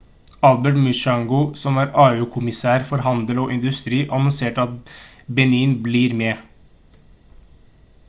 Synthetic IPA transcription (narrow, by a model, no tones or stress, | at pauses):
ɑlbɛʈmʉʃɑŋɡʊsɔmæːɾɑːʉːkʰʊmɪsæːɾfɔɾhɑnd̪əloːʔɪnd̪ʉst̪ɾiːʔɑnɔnseːʈɑt̪ | bɛniːnbliːɾmeː